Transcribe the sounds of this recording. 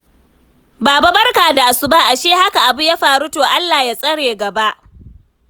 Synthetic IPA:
baː˨ba˦bɐ˦rkaː˨da˨ʔa˨su˦ba˦ʔa˨ʃeː˦ha˦ka˨ʔa˨bʊ˦ja˦ɸaː˨ɾu˦toː˨ʔa˦lːaː˨jaː˦sʼɐ˦ɽeː˨ɡɐ˨ba˦ʔ

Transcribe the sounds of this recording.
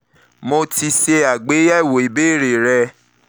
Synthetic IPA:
mõ˧ti˧ʃe˧a˨ɡ͡be˨˦ɛ˦˨wo˨e˨be˦˨ɾe˨ɾɛ˧

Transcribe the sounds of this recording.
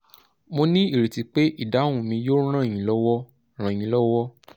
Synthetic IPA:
mo˧nĩ˦i˦˨ɾe˨ti˨˧˦k͡pe˦ʔi˦˨da˨˦ũ˨mĩ˧jõ˦ã˦˨j̃ĩ˨lɔ˦wɔ˦ | ɾ̃ã˨ĩ˨˦lɔ˦wɔ˦

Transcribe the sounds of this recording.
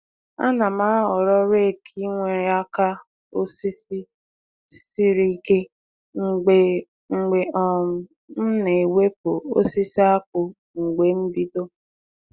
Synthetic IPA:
a̰˦na˨ma˦ɔ˨ɾɔ˦ɾe˦˨kʰi˦ŋʷe˨ja˦ka˦ | o˦si˦si˦ | si˦ɾi˦ke˦ | ŋ̩˨ɡ͡be˨ | ŋ͡m̩˨ɡ͡be˨ɔ˨ŋʊ˨ | n̩˦ne˨we˦p̚o˨o̰˦si˦si˦a˦kʊ˨ | ŋ̩˨ɡ͡be˨m̩˦bi˦to˦

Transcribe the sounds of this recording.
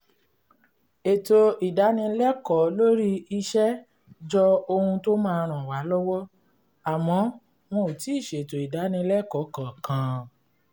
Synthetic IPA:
e˨to˨i˨da˨˦nĩ˧˦lɛ˦kɔ˨˦lo˦ɾi˦i˧ʃɛ˦ | d͡ʒɔ˧o˧hũ˧to˦mãː˦˧ɾ̃ã˨wa˨˦lɔ˦wɔ˦ | a˨mɔ̃˨˧ | w̃õ˧˨ti˨˦i˦˨ʃe˨e˨to˨i˨da˨˦nĩ˧lɛ˦˨kɔ˨˦kã˨kã˨˧

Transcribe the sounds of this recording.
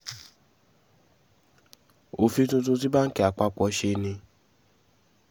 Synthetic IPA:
o˨fi˧˦tũ˧t̬ũ˧t̬i˦ba˦ŋ̩˦ki˦˨a˨k͡pa˧k͡pɔ˧˦ʃe˧nĩ˧

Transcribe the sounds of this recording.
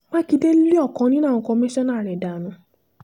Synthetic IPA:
mã˦ki˨˧de˦li˦ɔ˦˨kɔ̃˧nĩ˦nãː˦˨ũ˧kɔ̃˧mĩ˦ʃɔ̃˦nã˦˨ɾɛ˨da˨nũ˨˧˦

